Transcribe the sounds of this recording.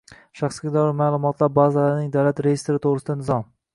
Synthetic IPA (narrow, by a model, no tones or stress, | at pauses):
ʃaχsɡʲɪd̪aɾɪmaːlˠʊmɒt̪ʰlaɾbazalaɾnɪŋd̪awlat̪ɾejɪst̪ɾɪt̪ʰoʁɾɪsɪd̪anɪzɒm